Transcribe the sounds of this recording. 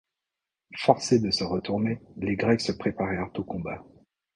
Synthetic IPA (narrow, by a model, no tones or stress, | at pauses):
fɔʁsed̪əsəʁət̪uʁneleɡʁɛksəpχepaʁɛʁt̪okɔ̃ba